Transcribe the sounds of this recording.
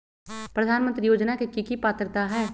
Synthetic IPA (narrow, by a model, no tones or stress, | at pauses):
pɾɐd̪ʱaːnmə̃nt̪ɾijoːd͡ʒnakekikipaːt̪ɾt̪aɦɛː